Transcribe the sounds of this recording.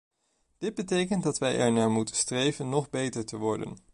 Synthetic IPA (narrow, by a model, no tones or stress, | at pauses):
d̥ɪd̚bətejkəntdɑtʋɛjʔɛ̰ɹnaːɹmutənstrejvənːɔχbejtəɹtəʋɔɹdə̰n